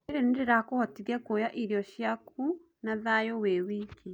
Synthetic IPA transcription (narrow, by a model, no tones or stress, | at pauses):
eɾendeɾakohɔtiɣɛkojaʔiɾiɔʃjakʰu | naðajowewiki